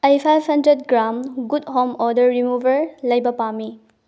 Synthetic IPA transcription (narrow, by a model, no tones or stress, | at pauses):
ajpʰajbʱhɐndɾed̚ɡɾamɡudɦomɔdɐɾɾimubʱɐɾlɐjbɐpami